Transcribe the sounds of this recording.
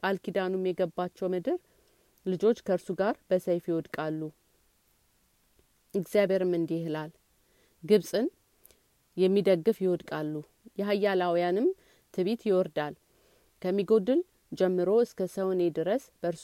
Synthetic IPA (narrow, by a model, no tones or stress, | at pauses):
kʼalkid̪anumːjɛɡəbat͡ʃːɛwmɨd̪ɨɾ | lɨd͡ʒo̞t͡ʃːkʰəɨɾsuɡaɾb̥əsəjfjɪwɔd̪kʼalːu | ɨɡzijaβe̞ɾɨmːɨnd̪ihɨlal | ɡɨβsʼɨn | jɛmːid̪əɡːɨfjɪwɔd̪kʼalːu | jɛɦajːalawjanɨm | t̪ʰɨβit̪jɪwɔɾd̪al | kʰəmːiɡo̞d̪ɨl | d͡ʒɛmːɨɾo̞ɨskʰəsəwne̞d̪ɨɾəsb̥əɾs